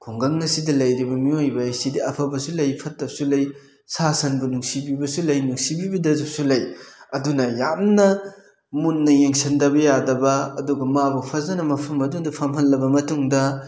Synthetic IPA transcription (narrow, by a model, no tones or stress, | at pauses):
kʰuŋɡɐŋːɐsidɐlɐjɾibɐmiojbɐjsidiɐpʰɐbɐsulɐjpʰɐtːɐp̚sulɐj | sasɐnbunuŋsibibɐsulɐjnuŋsibibidɐzusulɐjɐdunɐjamnɐ | munːɐjeŋsɐndɐbɐjadɐbɐɐduɡɐmabɐpʰɐzɐnɐmɐpʰɐmɐdundɐpʰɐmɦɐlːɐbɐmɐtuŋdɐ